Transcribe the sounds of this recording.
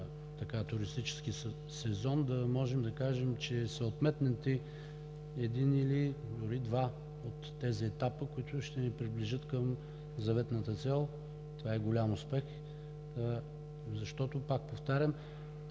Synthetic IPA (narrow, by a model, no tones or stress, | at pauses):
t̪ɐkat̪ʊɾist̪it͡ʃɛ̥sk̟i | sɛzɔnd̪ɐmɔʒɛmd̪ɐkaʒɛmt͡ʃɛsɛot̪mɛt̪nɛnt̪i | ɛd̪inilid̪ʊɾid̪va | ot̪ːɛziɛt̪apəkoit̪ʊʃt̪ɛnipɾibliʒɤt̪kəm | zɐvɛt̪nət̪ət̪sɛlˠ | t̪ovaɛɡolʲamʊspɛx | zɐʃt̪ɔt̪opak̚poft̪aɾʲɐm